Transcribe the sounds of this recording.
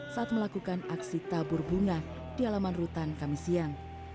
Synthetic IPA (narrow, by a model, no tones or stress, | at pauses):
saʔat̪̚məlakukanaksit̪abʊrbuŋa | d̥ialamanrut̪ankamisiaŋ